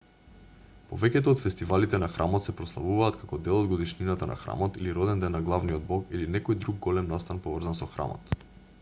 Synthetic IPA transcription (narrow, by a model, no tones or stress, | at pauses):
povɛcɛt̪oːt̪fɛst̪ivalit̪ɛnaxɾʔamɔt̪sɛpɾɔslˠa̰vuvaːt̪kʰakɔd̪ɛlˠɔd̪ɡod̪iʃninat̪anʔa̰xɾa̰mɔt̪iliɾɔd̪ɛnd̪ɛnːaɡlˠavniɔd̪̚bɔkilinɛkɔjd̪ɾuɡːɔlɛmnast̪anpɔvr̩zansɔxɾa̰mɔ̰t̪